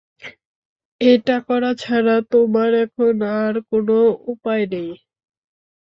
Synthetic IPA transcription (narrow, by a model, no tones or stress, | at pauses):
eʈakɔɾat͡ɕʰaɾat̪omaɾɛkʰonaɾkonoupaenej